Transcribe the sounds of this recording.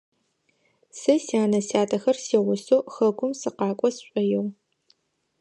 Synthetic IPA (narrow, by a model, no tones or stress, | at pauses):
sɨsiaːnɐsaːtʰʼɐxɐrsiːʁʷʊsoːxɐɡʷʊmsɨqɑːkʷʼɔsɕʷʼɐjɛw